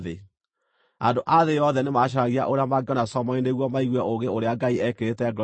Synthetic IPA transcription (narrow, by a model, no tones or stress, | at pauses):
ðe | andoʔaðejɔðɛnemaɕ̬aaɣia̰ʔoɾeamaɡɔnasɔmɔindeɣwɔmaiɣwɛʔoɣɡeoɾeaɡaiɛkeɾetɛɡ